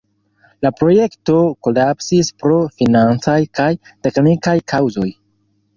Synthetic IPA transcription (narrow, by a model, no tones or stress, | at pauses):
lapɾo̞je̞kto̞ko̞lapsispɾo̞finant͡sajkajte̞knikajkʰawzo̞j